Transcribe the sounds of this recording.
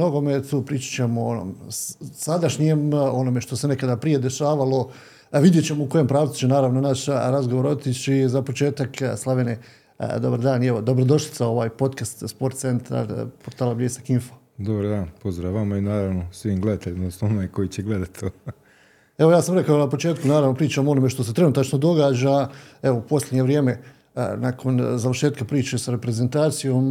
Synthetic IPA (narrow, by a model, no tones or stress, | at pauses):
mno̞ɡo̞met̪uːpɾiːt͡ʃḁt͡ɕemoono̰msad̪aʃɲemo̞no̞me̞ʃt̪o̞se̞ne̞kad̪apɾije̞d̪e̞ʃaːʋalo̞ | ʋid̪je̞t͡ɕe̞mo̞uko̞jo̞mpɾaːʋt̪u̥t͡ɕenaːɾaʋnonaʃɾazɡoʋo̞ɾo̞t̪it͡ʃizapo̞t͡ʃe̞ːt̪akslˠaʋenḛ | d̪o̞baɾd̪aːnieʋo̞d̪o̞bɾod̪o̞ʃli̥sao̞ʋaːjpo̞t̪kast̪spo̞ɾt̪t̪se̞nt̪a̰ɾpoɾt̪aːlˠabʎesakiɱfo̥ | d̪obaɾd̪aːnpozd̪ɾaʋamainaːɾaʋnosʋiːmɡled̪at̪eʎʲmasonajko̞jit͡ɕeɡled̪at̪o | e̞ʋojaːsamɾe̞kaonapo̞t͡ʃe̞ːt̪kunaːɾaʋno̞pɾiːt͡ʃamoo̞no̞me̞ʃt̪o̞se̞t̪ɾe̞nut̪at͡ʃno̞d̪o̞ɡaːd͡ʑae̞ʋoupo̞slʲed̪ɲe̞ʋɾjeːme̞ | nakʰo̞nzaʋəɾrʃe̞ːt̪kapɾiːt͡ʃe̞saɾepɾeze̞nt̪aːt̪sijo̞ːm